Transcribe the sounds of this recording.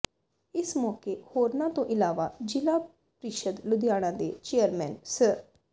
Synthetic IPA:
ɪsmɔːkeːhoːɾnãːt̪õːʔɪlaːʋaːd͡ʒɪlaː | pɾiːʃəd̪lʊd̪ɪjaːɽ̃ãːd̪eːt͡ʃeːjəɾmɛːnsə

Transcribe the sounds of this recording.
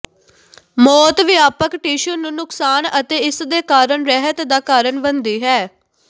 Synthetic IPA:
mɔːt̪ʋɪaːpəkʈiːʃənːũːnʊksaːnət̪eːɪsd̪eːkaːɾəɳɾɛɦət̪d̪aːkaːɾəɳbənd̪iːɦɛː

